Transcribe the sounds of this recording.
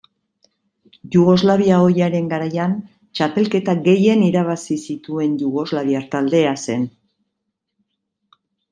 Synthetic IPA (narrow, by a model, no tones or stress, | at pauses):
ʝuɣo̞zlaβ̞iao̞jaɾe̞ŋɡaɾajan | t͡ʃape̞lke̞t̪aɡe̞je̞niɾaβasisit̪ue̞nʎuɣo̞zlaβiaɾt̪ald̪e̞ase̞n